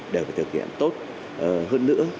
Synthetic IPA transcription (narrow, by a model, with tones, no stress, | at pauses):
ɗe˨˩wfaː˨˩t̪ɨ˨˩k̚hḭ˧˨əmt̪o˦˥t̚ | ʔə˨˩ɦəː˧nːɨ̰˧˥ə